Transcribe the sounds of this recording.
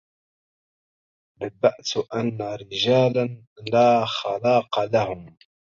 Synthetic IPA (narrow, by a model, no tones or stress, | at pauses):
bab̪aʔt̪ʔanːaɾɪʒaːlan | laːxɑlɑːqɑlahʊm